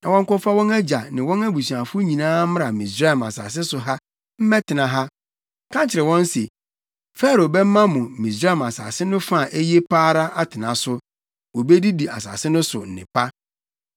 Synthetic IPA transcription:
nã˨wɔ̃˦ŋ̩˦kɔ˦fa˦wɔ̃˦næ˦d͡ʑa˨nɪ̃˨wɔ̃˦næ˦bu˨sɥa˨fʊ˦ɲĩ˨nãː˦mɪ̃˦ɾa˨mĩ˨sɾa˦˨ma̰˨sa̰ː˨s̬ɪ˦sʊ˨ɦa˦ | m̩˦mɛ̃˦tʰɪ˨nã˨ɦa˦ | kʰã˦nt͡ɕʰɪ˨ɾɛ˨wɔ̃˦n˦se˨ | fɛ˦ɾo˨bɛ˦m̩˦mã˦mʊ̃˨mĩ˨s̬ɾa˦˨ma˨sa̰˨sɪ˦nʊ̃˦fa˦˨ʔe˦je˦pʰaː˦ɾa˦ʔa˦tʰɪ˨nã˨sʊ˨ | wɔ˨be˦di˦di˨a̰˨sa̰ː˨sɪ˦nʊ̃˦sʊ˨n̩˨nɪ̰̃˨pʰa˦

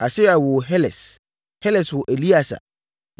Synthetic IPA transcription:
a˨sɪ˦a˨wɔ˨ɦɛ˦lɛ˨s | hɛ˦lɛ˨swɔ˨ʔe˨li˦a˨sa̰˨

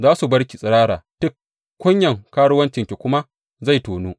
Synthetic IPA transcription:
zaː˦su˨bɐ˦ɽkʲi˨sʼɐ˨ɽaː˦ɽaː˨tʊ˦k | kʷːʊ˦ɲjɐ˨ŋkaː˦ɽʊ˦wɐ˦nt͡ʃɪ˨ŋkʲe˨kʷʊ˦ma˦ | za˦˨jtoː˨nuː˦

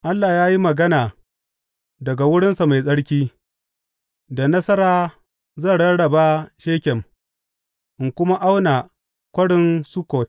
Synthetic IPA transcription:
ʔa˦lːaː˨jaː˦ji˦mɐ˨ɡɐ˦naː˨ | dɐ˨ɡa˨wʊ˦ɽɪ˦nsa˨ma˨jsʼɐ˦ɽkʲiː˦ | da˨nɐ˦sɐ˦ɾaː˦ | zɐ˦˨ɽɐ˦ɽɐ˨ba˦ʃeː˦kʲɛ˨m | ʔɪ˨ŋkʷʊ˦ma˦ʔa˦wna˨ | kʷɐ˦ɽɪ˦nsu˦koː˨t̚

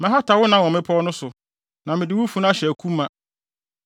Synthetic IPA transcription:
mɪ̃˨ɦɔ˦tʰa˨wʊ˦nã˨˦wɔ̃˨mɪ̃˦pʰɔ˦nʊ̃˦sʊ˨ | nã˨mɪ̃˨dɪ˨wʊ˦fu˦n˦ã˦ɕɛ˨æ˨kʰũ˦mːã˨

